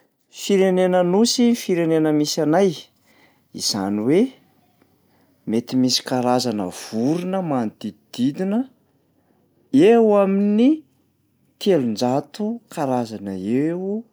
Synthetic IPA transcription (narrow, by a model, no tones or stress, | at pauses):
fiɾenenənusifiɾenenəmisanaj | ḭz̥a̰niwe | met̪imisi̥kaɾazanə̰v̥uɾunəmanid̪id̪id̪̥id̪inə | ewamini | t̪ʰelund͡ʒat̪ukaɾazanəew